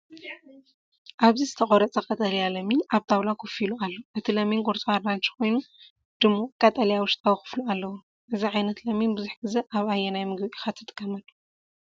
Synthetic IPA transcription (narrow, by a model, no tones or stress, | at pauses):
ʔaβzizɨt̪ʰɐχʼoɾɐt͡sʼɐkʼɐt̪ʼɐlijalɐminʔaβt̪ʰawlakʰofilualːoʔɨt̪ʰilɐminɡʼoɾt͡sʼoaɾbant͡ʃi̥kʰo̞jnu | d̪̥ɨmːokʼɐt̪ʼɐlijawʊʃt̪ʰʼawxɨ̥flualːɐwu | ʔɨziʕajnɐt̪lɐminbɨzuħɡɨzɐʔaβajːenajmɨɡbixat̪ʰːɨt̪ʼɨkʰʼːɐmɐlːu̥